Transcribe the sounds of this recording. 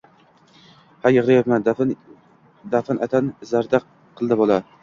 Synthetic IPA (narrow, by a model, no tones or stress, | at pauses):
hajɨʁlˠajat̪man | d̪afanʔat̪ʰanzaɾd̪a | qʰɨlˠd̪abolˠa